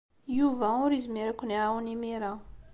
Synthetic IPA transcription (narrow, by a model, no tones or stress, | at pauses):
juvauɾizmiɾækʷːunawnimiɾa